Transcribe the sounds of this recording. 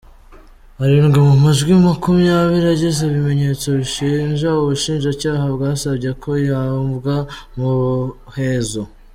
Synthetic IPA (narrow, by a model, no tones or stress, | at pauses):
aɾiŋɡamumaʒɡwimakumijaβiɾiaɟez̬eβime̞ɲe̞t͡so̞βiʃiːɲʒauβuʃiːnʒacaːhabɡaːsabɟekʰo̞jambɡamuhe̞zo